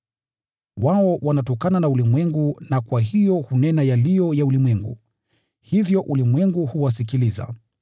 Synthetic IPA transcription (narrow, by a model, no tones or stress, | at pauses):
waɔwanatɔkananaulimwɛŋɡunakwahijɔhunɛnajalijɔjaulimwɛŋɡṵ | hivjɔʔulimwɛŋɡuhuwas̬ikiliza̰